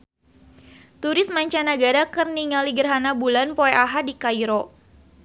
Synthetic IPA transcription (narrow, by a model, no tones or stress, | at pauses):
t̪uɾɪsmaɲt͡ʃanaɡaɾakərniŋaliɡərɦanabulanpoɛʔaɦadikaiɾɔ